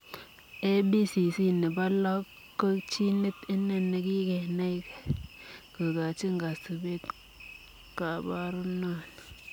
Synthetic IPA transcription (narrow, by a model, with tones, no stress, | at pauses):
e˦bi˦si˨si˦ni˨ba˦la˦k | kːo˦t͡ʃi˦ni˦tɪ˦nːe˨nːe˨ki˦ke˨na˦i˦ke̥˨kə˨ka˨t͡ʃi˦ŋɡa˨si˨be˦t | ka˨ba˦ɾu˦na˦n